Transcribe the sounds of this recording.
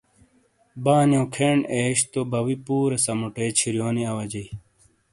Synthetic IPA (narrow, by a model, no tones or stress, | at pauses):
baːnjõːkʰeːɳeːɕt̪obɐwipuːɾɐsɐmuʈeːt͡ɕʰiɾjoːniɐwɐd͡ʑɐj